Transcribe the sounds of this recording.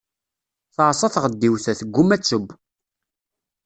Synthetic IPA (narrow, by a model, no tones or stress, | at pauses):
θəʕsˤɑθʁəd̪ːiwθæθəɡːʊmæt͡sːəb